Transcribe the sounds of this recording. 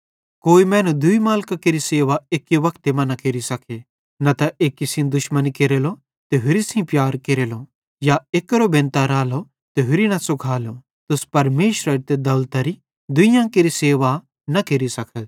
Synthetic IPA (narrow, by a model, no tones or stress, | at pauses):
koːimɛ̃ːnũd̪ʊimaːlkãkeɾiseːʋaeːkːiʋɐkʰt̪emɐ̃nɐkeɾisɐkʰe | nɐt̪ɐʔeːkːisĩd̪ʊʃmɐnkeɾelo | t̪eɦʊɾisĩpjaːɾkeɾeːlo | jaeːkɾobẽnt̪aɾaːlo | t̪eɦʊɾinɐsʊkʰaːlo | t̪ʊspɐɾmeːʃɾəɾt̪ed̪ɐlt̪ɐɾi | d̪ʊijãkeɾiseːʋa | nɐkeɾisɐkʰət̪